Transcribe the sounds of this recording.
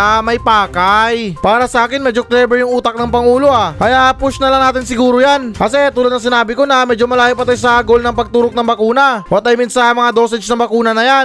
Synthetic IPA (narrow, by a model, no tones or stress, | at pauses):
amɐjpaːkajpaːɾɐsɐʔaːkɪnmɛːd͡ʒoklɛbɛɹjʊŋʔuːt̪ɐk̚nɐŋpɐŋuːlo̞ʔakɐjaʔpʊʃnɐlɐŋnaːt̪ɪnsɪɡuːɾojankɐsɛt̪uːlɐd̪̚ɐŋs̬ɪnaːbɪko̞nɐmɛːd͡ʒomɐlaːjopɐt̪ajs̬ɐɡo̞lnɐŋpɐɡ̚t̪uːɾok̚nɐŋbɐkuːnɐwɐt̪ɐjmɪnsɐmɐŋad̪o̞ːsɛd͡ʒnɐbɐkuːnɐnɐjan